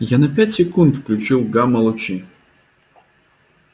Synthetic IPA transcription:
janɐpʲatʲsʲɛkunt̪fklʲut͡ʃilˠɡamɐlˠɔt͡ʃi

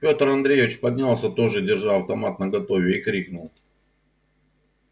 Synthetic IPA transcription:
pʲo̞t̪rɐnd̪ɾʲejvʲɪt͡ɕpɐdʲnʲalˠsʲət̪o̞ʐɨdʲɪrʐalˠɐft̪ɐmat̪nəɡɐt̪ovʲɪikɾʲiknʊlˠ

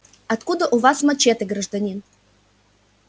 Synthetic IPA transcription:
ɐt̪kud̪əʔuvasmɐt͡ɕet̪ɨɡɾəʐd̪ɐnʲin

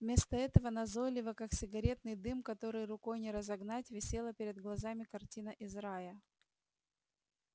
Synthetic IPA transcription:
vmʲe̞st̪əɛt̪əvənɐzojlʲɪvəkaksʲɪɡɐɾʲe̞t̪̚nɨjd̪ɨmkɐt̪o̞ɾɨjrʊko̞jnʲɪɾəzɐɡnatʲvʲɪsʲe̞lˠəpʲɪɾʲɪd̪ɡlˠɐzamʲɪkɐrtʲinəʔɪzɾajə

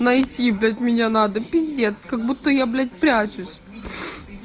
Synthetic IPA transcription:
nɐjtʲiblʲatʲmʲɪnʲanad̪əpʲizʲdʲet̪skɐɡbut̪ːəjablʲat̬̚ʲpɾʲat͡ɕʊsʲ

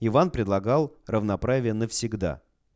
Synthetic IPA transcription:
ɪvanpɾʲɪd̪lˠɐɡɑlˠrəvnɐpɾavʲɪjənəfsʲɪɡd̪a̰

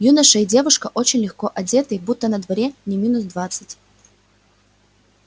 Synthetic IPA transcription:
junəʂəɪdʲe̞vʊʂkəʔo̞t͡ɕɪnʲlʲɪxkoʔɐdʲe̞t̪əjbut̪ːənəd̪vɐɾʲenʲɪmʲinʊsd̪vat̪sɨtʲ

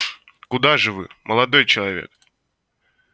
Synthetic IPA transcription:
kʊd̪aʐɨvɨ̰mʔəlˠɐd̪o̞jt͡ɕɪlˠɐvʲḛk̚

